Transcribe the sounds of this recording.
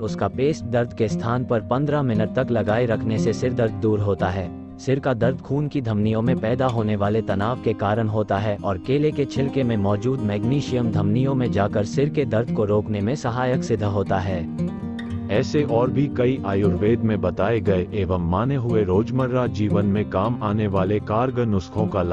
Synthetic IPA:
ʊskapeːsʈ̚d̪ɐɾd̪ʱkest̪ʰaːnpɐɾpɐ̃nd̪ɾamɪnəʈ̚t̪ɐklɐɡaːiɾɐkʰnesesɪɾd̪ɐɾd̪ʱːuːɾɦoːt̪aɦɛː | sɪɾkad̪ɐɾd̪ʱkʰuːnkid̪ʱɐmnijõmẽpɛːd̪aɦoːneʋaːlet̪ɐnaːʋkekaːɾəɽ̃ɦoːt̪aɦɛːʔɔːɾkeːleket͡ʃʰɪlkemẽmɔːd͡ʒuːd̪mɛːɡniːʃijəmd̪ʱɐmnijõmẽd͡ʒaːkəɾsɪɾked̪ɐɾd̪ʱkoɾoːknemẽsɐɦaːjəksɪd̪ʱɦoːt̪aɦɛː | ɛːseʔɔːɾbʱikɐiʔaːjʊɾʋeːd̪mẽbɐt̪aːeɡɐeʔeːʋəmːaːneɦʊeɾoːd͡ʒməɾːad͡ʒiːʋənmẽkaːmaːneʋaːlekaːɾɡənːʊskʰõkal

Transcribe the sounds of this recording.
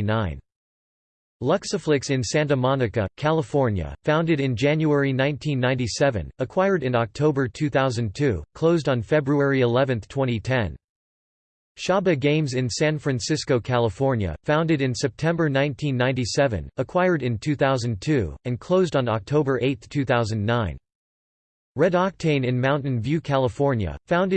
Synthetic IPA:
nãɪ̃n | lʌksəflɪksɨ̃nsæ̃ndəmɑnɨkɨ̰kʰælˠəfɔɹnjɨ̰fãʊ̃ndɨɾɨ̃nd͡ʒæ̃njuɛɹinãɪ̃ntʰĩnːãɪ̃ntisɛvɨ̰̃nəkʰw̥aɪə˞ɾɨ̃nɑk̚tʰoʊbə˞tʰʉθaʊzɨ̃ntʰʉkʰl̥oʊzdn̩fɛbɹuɛɹiɪlɛvɨ̃nθtʰw̥ɛ̃ɾ̃itʰɛ̃n | ʃɑbɨɡẽɪ̃mzɨ̃nsæ̃nfɹæ̃nsɪskoʊkʰælˠəfɔɹnjɨ̰fãʊ̃ndɨɾɨ̃nsɛp̚tʰɛ̃mbə˞nãɪ̃ntʰĩnːãɪ̃nisɛvɨ̰̃nəkʰw̥aɪə˞ɾɨ̃ntʰʉθaʊzɨ̃ntʰʉɨ̃nkʰl̥oʊzdn̩ɑ̰k̚tʰoʊbə˞ʔeɪt̪θtʰʉθaʊzɨ̃nːãɪ̃n | ɹɛɾɑk̚tʰẽɪ̃nɨ̃nmãʊ̃nʔn̩vjʉkʰælˠəfɔɹnjɨ̰fãʊ̃ndɨ

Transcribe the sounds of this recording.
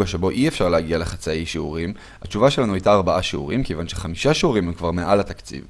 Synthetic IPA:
ɡaʃe̞bo̞ʔiefʃaʁlehaɡialeχat͡saejʃeuʁim | hat͡ʃuvaʃe̞lanuajtaːʁbaʔaʃeṵʁimkevanʃeχamiʃaʃeuʁimhemkvaʁme̞ʔalat̪akt͡sḭv

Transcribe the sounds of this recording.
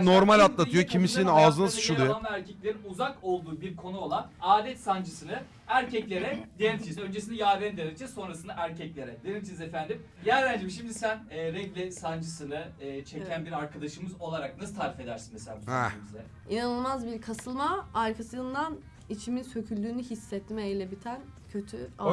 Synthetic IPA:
noɾmalʲat̪lˠat̪ɯjocʰimisinaːzɯnsʃud̪eanˠaæɾcʰɛclʲe̞ɾinuzako̞lˠd̪uːbiɾkʰo̞nuo̞lˠanaːd̪ʲɛt̪sand͡ʒɯsɯnɯ | æɾcʰɛclʲe̞ɾɛd̪eenʲimt͡ʃʰinizø̞nd͡ʒe̞sind̪ɛjaːd̪ɛnd̪eit͡ʃʰiso̞nɾasɯnd̪aʔæɾcʰɛclʲe̞ɾɛd̪enimt͡ʃʰinizefænd̪im | jæɾlʲænd͡ʒemʃ̬imd̪isænːɾɛɟlʲɛsand͡ʒɯsɯnɯɯːt͡ʃʰe̞cænbiɾaɾkʰad̪aʃɯmɯzo̞lˠaɾak̚nasɯt̪ʰaːɾife̞d̪æɾsinmeselʲaːbusbizɛ | inanɯlˠmazbiɾkʰasɯlˠmaːɾkʰasɯnd̪an | it͡ʃʰiminsø̞cʰylʲd̪yːnyɦisːɛt̪ʰːimɛejlʲebit̪ʰæn | cʰø̞t̪ʰya

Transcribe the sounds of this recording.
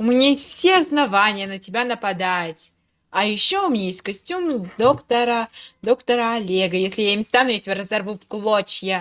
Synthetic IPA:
ʊmʲɪnʲajesʲtʲfsʲeɐsnɐvanʲɪjənətʲɪbʲanəpɐd̪atʲ | ɐjɪɕːoʊmʲɪnʲajesʲtʲkɐsʲtʲumd̪okt̪əɾəd̪o̞kt̪əɾəɐlʲeɡəjesʲlʲɪjaɪmʲɪst̪anʊjatʲɪbʲaɾəzɐrvufklˠot͡ɕjə

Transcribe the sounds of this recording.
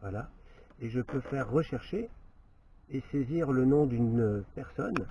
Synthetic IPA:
vwalaeʒəpøfɛʁːəʃɛʁʃe | eseziʁlənɔ̃d̪ynpɛʁsɔn

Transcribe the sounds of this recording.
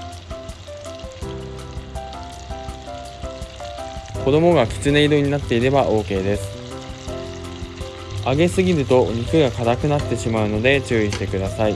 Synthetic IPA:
ko̞d̪o̞mo̞ɡakʲi̥t͡sɨneid̪o̞ɲ̟inat̪ːe̞iɾe̞baʔo̞ːke̞ːd̪e̞sɨ̥ | aɡe̞sɨɡʲiɾɯ̟t̪o̞ɲikɯ̟ɡakat̪akɯ̟nat̪ːe̞ɕimaɯ̟no̞d̪e̞t͡ɕɨːiɕi̥t̪e̞kɯ̟d̪asai

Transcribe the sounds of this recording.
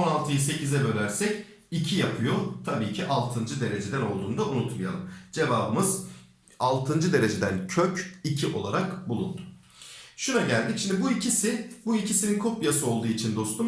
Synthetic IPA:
onalˠt̪ʰɯjɯse̞cizɛbø̞lʲæɾsɛc | icʰijapʰɯjo̞t̪ʰabiːcʰiʔalˠt̪ʰɯnd͡ʒɯd̪e̞ɾe̞d͡ʒe̞d̪æno̞lˠd̪uːnd̪aunut̪maja̰lˠɯmd͡ʒe̞vaːbɯmɯz | alˠt̪ʰɯnd͡ʒɯd̪e̞ɾe̞d͡ʒe̞d̪æncʰøcicʰiʔo̞̰lˠaɾakbulˠṵnd̪ʊ̥ | ʃunaɟælʲd̪icʃimnd̪ibuicʰisɪbuicʰisininkʰo̞pjasɯo̞lˠd̪uːit͡ʃʰind̪o̞st̪um

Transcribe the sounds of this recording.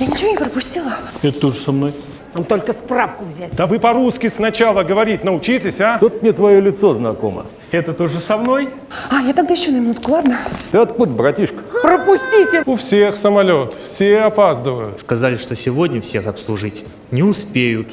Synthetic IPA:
janʲɪt͡ɕɪvonʲɪpɾəpʊsʲt̪ʲilˠəɛt̪ət̪oʐəsɐmnoj | namt̪olʲkəsprafkʊvzʲætʲd̪avɨpɐɾuskʲɪsnɐt͡ɕalˠəɡəvɐɾʲit̚ʲnəʊt͡ɕitʲɪsʲat̪ot̪mʲnʲet̪vɐjolʲɪt̪so̞znɐ̰ko̞̰mə̰ | ɛt̪ət̪oʐɨsɐmno̞j | ajat̪ɐɡ̚d̪ajɪɕːonəmʲɪnut̪kʊlˠad̪nət̪ɐt̪put̪ʲbɾɐtʲiʂkə̥pɾəpʊsʲtʲitʲɪʊfsʲexsəmɐlʲo̞t̪fsʲeɐpazd̪əvəjʊt̪skɐzalʲɪʂt̪osʲɪvodʲnʲəfsʲe̞xɐpslˠʊʐɨtʲ | nʲɪʊspʲejʊt̪

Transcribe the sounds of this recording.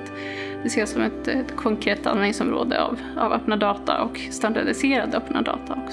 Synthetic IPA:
d̪ɛseːsɔmɛt̪kʰɔŋkʰɾeːt̪ːa̰nɪŋsɔmɾo̰ːd̪əa̰v | a̰vœpːnad̪ɑːt̪ʰa̰ʔɔk | st̪and̪aɖɪseːɾad̪œpnad̪ɑ̰ːt̪ʰaɔk

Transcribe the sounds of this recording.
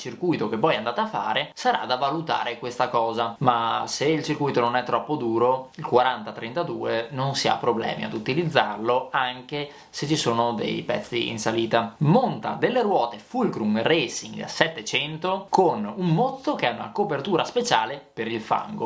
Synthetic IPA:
t͡ʃirkujt̪ok̟epːɔjand̪aːt̪afːa̰ːɾesaɾa̰d̪avalut̪a̰ːɾekwest̪akɔːzamaseilt͡ʃirkujt̪ononɛt̪ːɾɔpːod̪uːɾoilkwaɾant̪at̪ɾent̪ad̪uːenonsia̰pːɾoblɛ̰ːmḭa̰d̪ut̪ilid̪zːarloaŋk̟e | set͡ʃːisoːnod̪ḛjpɛ̰t̪sːḭḭnsaliːt̪amont̪a̰d̪elːeɾwɔːt̪efulkɾumresiŋɡsɛt̪ːet͡ʃɛnt̪okonumːot̪sːokeɛuna̰kopert̪uːɾaspet͡ʃaːlepeɾilfa̰ŋɡo̰

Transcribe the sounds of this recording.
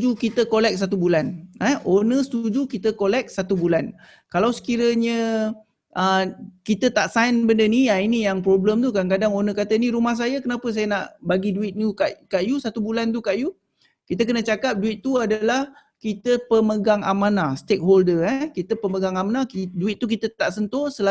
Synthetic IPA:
d͡ʒukit̪əkolɛk̚s̬at̪̬ubulanɛhonəsət̪ud͡ʒukit̪əkolɛk̚sat̪ubulan | kalawsə̥kiɾəɲə | ʔəkit̪ət̪aʔsainbəndəniainijaŋpɾobləmt̪ukankadaŋonəkat̪əniɾumahs̬ajakənapəs̬ajənaʔbaɡiduɪt̪̚nukaʔkaʔjusat̪ubulant̪̬ukaʔju | kit̪ək̬ənət͡ʃakap̚duɪt̪ːuadalah | kit̪əpəməɡaŋamanast̪ek̚ɦoldəɛkit̪əpəməɡaŋamanakduɪt̪̚ːuk̬it̪ət̪aʔsənt̪ɔsəla

